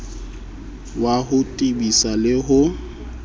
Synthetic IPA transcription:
waɦʊtʼibisalɪɦʊ

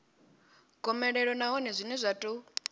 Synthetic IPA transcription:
ɡʱɔmɛɺɛɺɔnaɦɔnɛzʷinɛzʷatʼu

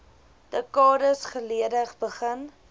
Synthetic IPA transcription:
d̥əkɑːɾəsχəliədəχbəχən

